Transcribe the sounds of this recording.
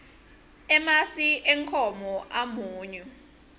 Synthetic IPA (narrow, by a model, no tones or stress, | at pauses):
ɛmasiʔɛŋkʰɔmɔʔamuːɲɛ